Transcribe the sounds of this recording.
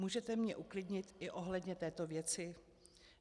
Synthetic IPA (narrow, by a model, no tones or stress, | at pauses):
uːʒɛt̪ɛmɲɛʔuklɪdɲɪt̪ɪʔo̞ɦlɛdɲɛt̪ɛːt̪o̞vjɛt͡sɪ